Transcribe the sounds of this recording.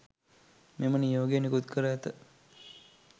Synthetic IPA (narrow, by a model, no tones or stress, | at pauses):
memənijoːɡejenikut̪kʰəɾəæt̪ə